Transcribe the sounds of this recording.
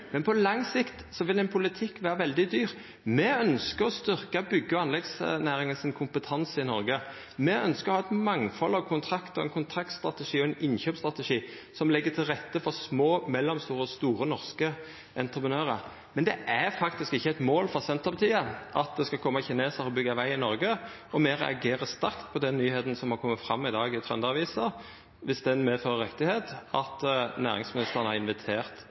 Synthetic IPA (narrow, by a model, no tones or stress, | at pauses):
mɛnpʰɔlɑŋsɪkt̪sɔʋɪlɛnpʰʊlɪt̪ʰɪkːʋæːɾəʋɛld̪ɪd̪yːʁ | mɛœnskəɾɔst̪ʏɾkəbʏɡːəɑnlɛɡsnæːɾɪŋənsɪnkʰʊmpət̪ʰɑnsəɪnɔɾɡə | mɛœnskəʁɔhɑːɛt̪mɑŋfɔlːɑʋkʰʊnt̪ʰɾɑkt̪ɔɛ̰nkʰʊnt̪ʰʁɑk̚t̪st̪ɾɑt̪əʂiːɔɛnɪnçøːpst̪ʁɑt̪əʂiːsɔmlɛɡːət̪ʰɪlʁɛt̪ːəfɔʁsmoːmɛlːɔmst̪uːɾəɔst̪uːɾənɔʁskə | ɛnt̪ʁəpʰənøːʁə | mɛnd̪ɛʔæʁfɑkt̪ɪskɪçːəɛt̪moːlfɾɔsɛnt̪əʁbət̪ʰiːəʔɑt̪̚d̪ɛskɑkʰɔmːəçɪneːsəɔbʏɡːɑʋæɪɪnɔɾɡə | ɔmeːɾɛ̰ɑɡeːʁəst̪ɑɾkt̪pʰɔd̪ɛnːyːheːt̪n̩sɔmhɑkʰɔmːət̪fɾɑ̰mːɪd̪ɑːɡɪt̪ʰʁɛnd̪əɑʋiːsə | ʋɪsd̪ɛnmeːføːʁəɾʁɛt̪ːɪheːt̪ɑt̪næːʁɪŋsmɪnɪst̪əʁnəhɑʁɪnʋɪt̪ʰeːʁt̪